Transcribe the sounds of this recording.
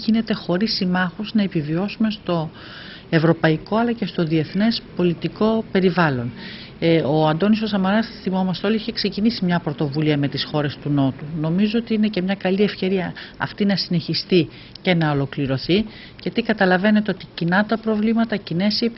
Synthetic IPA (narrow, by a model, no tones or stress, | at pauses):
ʝine̞t̪e̞xo̞ɾisimɐxuznɐe̞pivio̞sume̞st̪o̞ | e̞vɾo̞pɐiko̞ɐlɐce̞st̪o̞ðie̞θne̞spo̞lit̪iko̞pe̞ɾivɐlo̞n | oɐnd̪o̞niso̞sɐmɐɾɐθimo̞mɐst̪eo̞liiçe̞kse̞cinisimɲɐpɾo̞t̪o̞vuliɐme̞t̪isxo̞ɾe̞st̪uno̞t̪uno̞mizoot̪iinecemɲɐkɐlie̞fce̞ɾiɐɐ̰ft̪inɐsine̞çist̪i | ce̞nɐolo̞kliɾo̞θi | ceɐt̪ikɐt̪ɐlɐve̞ne̞t̪eo̞t̪icinɐt̪ɐpɾo̞vlimɐt̪ɐcine̞sip